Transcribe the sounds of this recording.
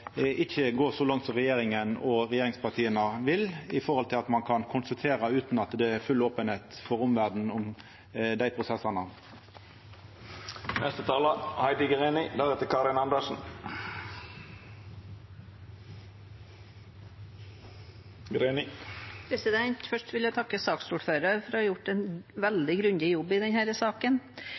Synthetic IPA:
ʔɪçəɡoːʁsɔlɑŋt̪sɔʁɛjeːʁɪŋənɔʁɛjeːʁɪŋspɑʁt̪ʰiːənəʋɪlɪfɔhɔlt̪ʰɪlɑt̪mɑnkʰɑnkʰʊnst̪ɑt̪ʰeːʁɑʉːt̪n̩ɑt̪d̪ɛæɾfʉlːoːpənheːt̪fɔʁʊmʋæʁd̪n̩ʊm | d̪æɪpʰʁʊsɛsɑnə | nʔɛst̪ət̪ʰɑːləhɑɪd̪ɪɡəʁenɪd̪æʁɛt̪əkʰɑɾɪnɑnd̪əʃn̩ | ɡɾenɪpʰɾɛsɪd̪ɛɲt̪fœʂʈʋɪljæt̪ʰɑkːəsɑːksuːɖføːɾəɾfɔɾɑjʊʈːɛnʋɛld̪ɪɡɾʉnd̪ɪjɔbːɪd̪ɛnhæːɾəsɑːkən

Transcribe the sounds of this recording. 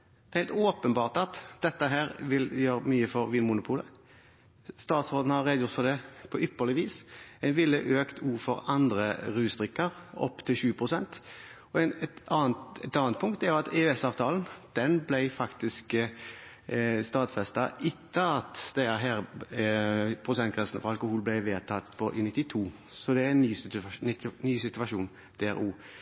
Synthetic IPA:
d̥̪ɛhæɪlt̪oːpənbɑːʁt̪ɑt̪d̪̥ɛt̪ːəɦæːɾʋɪljøːɾmyːəfɔɾʋiːnmʊnʊpʰuːlə | st̪ɑːt̪sʁoːd̪n̩hɑʁeːd̪əjʊt̪fɔd̪ɛpʰɔʔʏpːəlɪʋiːsæɪnʋɪlːəʔøːkt̪ʰuːʁfɔɾɑnd̪ɾə̰ɾʉːsd̪ʁɪkːəɾɔ̰pːt̪ʰɪlʃʉːəpʰɾʊsɛnt̪ | ɔɛnɛɑːnt̪ɛt̪ɑːnt̪̚pʰʊŋkt̪æɾjʊɑt̪ɛʉɛsɑːʋt̪ʰɑːln̩d̪̥ɛnblæɪfɑkt̪ɪsk | st̪ɑːt̪fɛst̪ɑʔɪt̪ʰːəɑt̪d̪̥ɛɦæːɾ | pʰɾʊsɛnt̪kʰʁɛsn̩fɔɾɑlkʊhuːlblæɪʋeːt̪ʰɑt̪pʰɔʔɪnɪt̪ːɪt̪ʰuː | sɔd̪ɛæɪnyːsnɪt̪ːnyːsɪt̪ʉɑʃuːn | d̪̥eːæ̰ɾuː

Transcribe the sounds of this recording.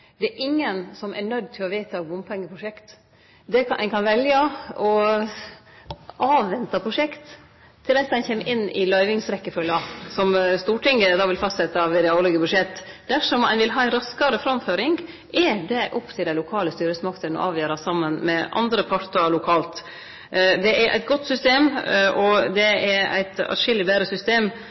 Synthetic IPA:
d̪ɛɛʔɪŋːənsɔmæɳœd̪t̪ʰɪlɔʋeːt̪ʰɑbʊmpʰɛŋːəpʰɾʊʂɛkt̪ | d̪ɛkʔɛ̰ɪnkʰɑnʋɛljəɔ | ʔɑːʋːɛnt̪ɑpʰɾʊʂɛkt̪ʰː | ɪld̪ɛsd̪ɛɪnçɛmːʔɪnːɪ̰lœʏʋɪŋsɾɛkːəfœlːɑsɔmst̪uːʈʰɪŋɡəd̪ɑʋɪlfɑst̪sɛt̪ːɑʋɪd̪ɛlɛɡəbʉʂɛt̪ː | d̪̥æʂɔmæ̰nʋɪlɦɑːɪnɾɑskɑɾəfɾɑmføːɾɪŋɡ | ʔɛd̪ɛʔɔpːt̪ʰɪlæɪlʊkʰɑːləst̪yːɾəsmɑkt̪ʰənɔ̰ʔɑːʋjøːɾɑsɑmːənmɛʔɑ̰nd̪ɾəpʰɑɾt̪əɭʊkʰɑːlt̪ | d̪ɛʔæɾʔæ̰ɪt̪̚ɡɔt̪ːsʏst̪eːmɔd̪ɛɛɾæ̰ɪt̪ɑ̰ʃɪlːɪbæːɾəsʏst̪eːm

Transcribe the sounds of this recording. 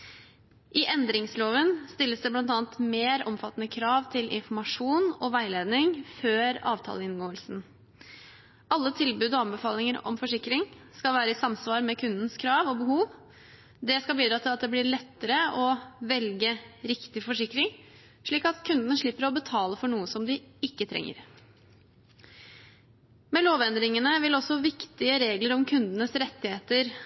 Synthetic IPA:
ʔɪʔɛnd̪ɾɪŋsloːʋənst̪ɪlːəsd̪ɛblɑnt̪ɑːnt̪meːɾɔmfɑt̪ːnəkʰɾɑːʋt̪ʰɪlʔɪ̰nfɔmɑʂuːnɔʋæɪleːd̪nɪŋføːɾɑ̰ːʋt̪ʰɑ̰ːləɪnɡoːəlsn̩ | ʔɑlːət̪ʰɪlbʉːd̪ɔɑnbəfɑːlɪŋəɾɔ̰mfɔʂɪkɾɪŋskɑlʋæːɾəɪsɑmsʋɑːɾmɛkʰʉnd̪n̩skʰɾɑːʋɔbəhuːʋ | d̪ɛskɑbiːd̪ɾɑːt̪ʰɪlɑt̪d̪ɛblɪɭɛt̪ːəɾəɔʋɛlɡəɾɪkt̪ɪfɔʂɪkɾɪŋ | ʂɭiːkɑt̪kʰʉnd̪ənəʂɭɪpːəɾɔbət̪ʰɑːləfɔɳuːəsɔmd̪ɪɪkːət̪ʰɾɛ̰ŋːə̰ɾ | mɛloːʋɛnd̪ɾɪŋənəʋɪlɔsɔʋɪkt̪ɪəɾeːɡləɾɔmkʰʉnd̪ənəsɾɛt̪ːɪheːt̪əɾ

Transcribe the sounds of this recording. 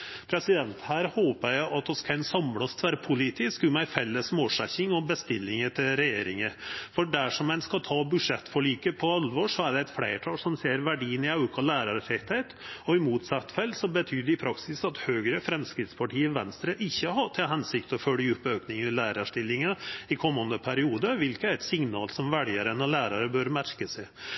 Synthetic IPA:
pʰɾɛsɪd̪ɛnt̪hæːɾhoːpəɾæʔɑt̪ɔskʰæɪnsɑmlɑst̪ʋæːɾəpʰʊlit̪ɪskʉmæɪfɛlːəsmoːʂɛçɪŋɔbəst̪ɪlːɪŋət̪ʰɪlɾɛjeːɾɪŋəfɔɖæʂɔmæɪnskɑt̪ʰɑːbʉʂɛt̪ːfɔɭiːkəpʰɔɑlʋɔʂɔæɖɛæɪt̪fɽeɪʈʰɑːlsɔmseːɾʋæɖiːənɪɑʉkʰɑlæːɾɑɾfɛt̪hɛɪt̪ɔɪmuːt̪sɑt̪ːfɛlːsɔbət̪ʰyːd̪ɛɪpʰɾɑksɪsɑt̪høːɡɾəfɾɛmskɾɪːt̪spʰɑʈiːəʋɛnst̪ɾəʔɪçːəɦɑʈ̪ʰɪlɦɛnsɪk̚t̪ɔfœljəʉpːøːknɪŋəlæːɾɑʂʈɪlːɪŋəɪkʰɔmːɑnd̪əpʰæɾɪuːd̪əʋɪlkəæɾɛt̪sɪŋnɑːlsɔmʋæɽɪəɾənɔlæːɾɑɾəbøɾmæɾkəsɛ

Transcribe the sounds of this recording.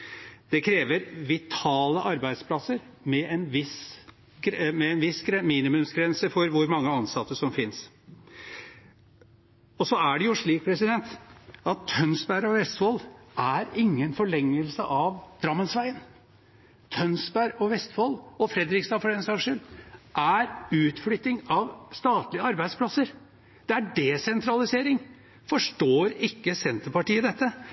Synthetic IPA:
d̪̥ɛkʰɾeːʋəɾʋɪt̪ʰɑːləʔɑɾbæɪd̪spʰlɑsəɾmɛɛnʋɪs | mɛɛnʋɪsɡɾɛmiːnɪmʉmsɡɾɛnsəfɔɾʋʊɾmɑŋːəɑnsɑt̪ːəʂɔmfɪns | ɔsɔæɖɛjʊʂɭiːk̚pʰɾɛsɪd̪ɛnt̪ɑt̪ʰːœnsbæɾɔʋɛst̪fɔlʔæɾɪŋːənfɔɭɛŋːəlsəʔɑʋd̪ɾɑmːənsʋæɪən | t̪ʰœnsbæɾɔʋɛst̪fɔlɔfɾɛd̪ɾɪkst̪ɑːfɔɾɛnsɑʂənʔæɾʉːt̪flʏt̪ːɪŋɑʋst̪ɑːt̪lɪəɑɾbæɪspʰlɑsəɾ | d̪̥ɛæɖɛsɛnt̪ɾɑlɪseːɾɪŋ | fɔʂʈoːɾɪkːəsɛnt̪əpɑʈiːəd̪ɛt̪ːə

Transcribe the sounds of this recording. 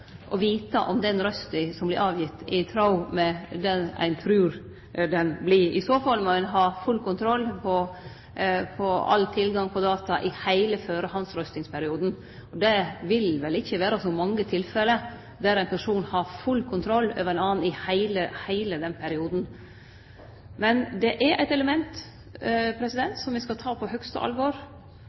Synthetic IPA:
ʔɔʋiːt̪ɑʔɔmd̪ɛnɾœst̪ɪsɔmblɪɾɑːʋjɪt̪ːɪt̪ʰɾɑʊmɛd̪ɛnæ̰ɪnt̪ʰɾʉːɾ | d̪ɛnblɪɪsoːfɑlmɛɪnɦɑfʉlkʊnt̪ʰɾɔlːpʰɔ | pʰɔɑ̰lːt̪ʰɪlɡɑŋpʰɔd̪ɑːt̪ɑʔɪhæɪləføːɾəɦɑnsɾœst̪ɪŋspʰæɾɪuːd̪n̩ | ɔd̪ɛʋɪlʋɛlɪçːəʋæːɾɑsɔmɑŋːət̪ʰɪlfɛlə | d̪æɾæɪnpʰæʂuːnhɑɾfʉlkʰʊnt̪ʰɾɔlːø̰ːʋəɾænɑːn̩ɪhæɪləhæɪləd̪ɛnpʰæɾɪuːd̪n̩ | mɛnd̪ɛʔæɾʔæ̰ɪt̪ɛləmɛnt̪ | pʰɾɛsɪd̪ɛnt̪sɔmʋɪskɑlt̪ʰɑːpʰɔhœkst̪ə̰ʔɑ̰lʋɔːɾ

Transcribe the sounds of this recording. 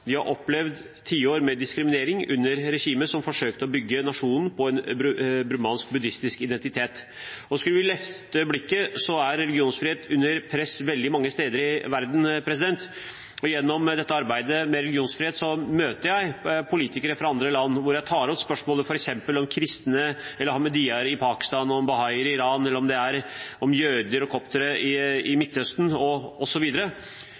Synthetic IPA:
d̪ɪhɑ̰ɾʔɔpːlɛʋd̪ | t̪ʰiːəoːɾmɛd̪ɪskɾɪmɪneːɾɪŋʉ̰nːəɾɾɛçiːməsɔmfɔʂøːkt̪əɔbʏɡːənɑʂuːnn̩pʰɔɛnbɾʉmɑːnsk̚bʉd̪ɪst̪ɪskɪd̪ɛnt̪ɪt̪ʰeːt̪ | ɔskʉləʋɪlɛft̪əblɪkːəsɔæɾːɛlɪɡɪuːnsfɾiːheːt̪ʉnːəɾpʰɾɛsʋɛld̪ɪmɑŋːəst̪eːd̪əɾɪʋæɾd̪n̩pʰɾɛs̬ɪd̪ɛnt̪ | ɔjɛnːɔmd̪ɛt̪ːəɑɾbæɪd̪əmɛɾɛlɪɡɪuːnsfɾɪheːt̪sɔmøːt̪əɾjæɪpʰʊliːt̪ɪkəɾəfɾɑɑnd̪ɾəlɑnːʋʊɾjæɪt̪ʰɑːɾɔpspœʂmoːləfɔɾɛksɛmpəlɔmkʰɾɪst̪nəɛlːəɾhɑməd̪iɑɾɪpʰɑːkɪ̥st̪ɑːnɔmbɑhɑɪəɾɪɾɑːnɛlːɾɔmd̪ɛæɾɔmjøːd̪əɾɔkʰɔpt̪əɾəɪɪmɪt̪ːhœst̪n̩ɔɔsːɔʋiːd̪əɾə

